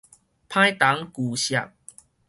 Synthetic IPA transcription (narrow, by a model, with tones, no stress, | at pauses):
pʰã˦jt̪a˨˦ŋku˨˩ɕja̰˨p̚